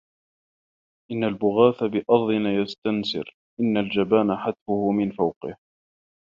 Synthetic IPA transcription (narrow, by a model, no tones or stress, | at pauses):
ʔɪnːalbʊɣaːθabɪʔɑɾˤðˤɪnajast̪ansɪ̰ɾ | ʔɪnːald͡ʒabaːnaħat̪fʊhʊmɪnfawqɪ̰h